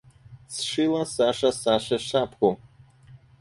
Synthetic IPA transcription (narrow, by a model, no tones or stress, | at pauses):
sʂɨlasaʂasaʂaʂapʰɡʷo